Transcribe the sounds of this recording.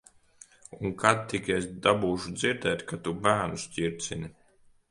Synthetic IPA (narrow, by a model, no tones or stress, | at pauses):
unkʰat̪ːikʲɛsd̪abuːʃud̪ziɾd̪ɛːt̪ʲkat̪ubæːnusʲcʲiɾt̪sini